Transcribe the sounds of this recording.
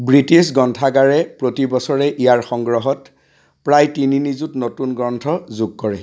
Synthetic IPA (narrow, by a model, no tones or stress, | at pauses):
bɹitisɡɔntʰaɡaɹɛpɹotibɔsɔɹɛʔijaɹxɔŋɡɹɔɦɔt | pɹajtininizutnotunɡɹɔntʰɔzuɡ̚kɔɹɛ